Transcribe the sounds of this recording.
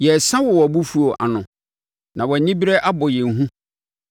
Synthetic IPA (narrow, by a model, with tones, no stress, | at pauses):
jɛ˨sã˦wɔ˨wɔ˨bu˦fu˦o˨ʔa̰˨nʊ̃˨ | nã˨wɔ˨nɪ̃˦bi˦ɾɛ˦ʔa˦bʊ˨jɛ̃˨ŋ˨ɦũ˦